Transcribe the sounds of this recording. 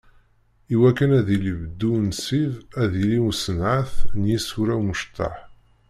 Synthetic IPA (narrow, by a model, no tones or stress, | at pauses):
iwækːənæðilibəd̪ːunsiðæðiliusənʕaθnjisuɾæwməʃt̪ːa̰ħ